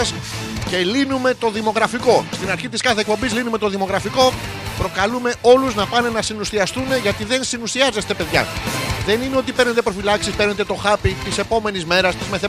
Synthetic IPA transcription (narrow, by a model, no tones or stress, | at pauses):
s | ce̞linume̞t̪o̞ðimo̞ɣɾɐfiko̞st̪inɐɾçit̪iskɐθek̚po̞mbizlinume̞t̪o̞ðimo̞ɣɾɐfiko̞ | pɾo̞kɐlume̞ʔo̞luznɐpɐne̞nɐsinusiɐst̪une̞ʝɐt̪iðe̞nsinusiɐze̞st̪e̞pe̞ðʝɐ̰ðe̞nine̞o̞t̪ipe̞ɾnet̪e̞pɾo̞filɐksispeɾnet̪e̞t̪o̞xɐpit̪ise̞po̞me̞nizme̞ɾɐst̪izme̞θe